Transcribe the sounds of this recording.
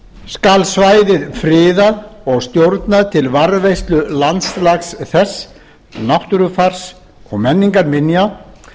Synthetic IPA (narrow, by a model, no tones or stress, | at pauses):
skalsvaːjðɪðfɾɪːðaðɔɣst̪jowɾt̪naðt̪ʰɪlvaɾðvejst̪lʏlant̪slaxsθɛsː | nawht̪ʏɾʏfar̥s | ɔɣmɛnːiŋkaɾmɪnja